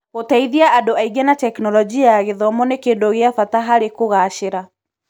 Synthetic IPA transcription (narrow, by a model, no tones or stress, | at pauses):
ɣotaiðiaʔadoaiɡɛnatɛknɔlɔd͡ʒiajaɣeðɔmɔnekeːndoɣeafataɦaɾekoɣaʃeɾa